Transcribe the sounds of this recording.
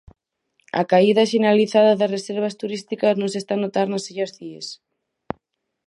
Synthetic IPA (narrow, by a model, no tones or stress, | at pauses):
a̰kaiðaʃeneɾaliθaðaðasreseɾβ̞ɐst̪uɾist̪ikɐznõŋsest̪anot̪aɾnasiʎazðies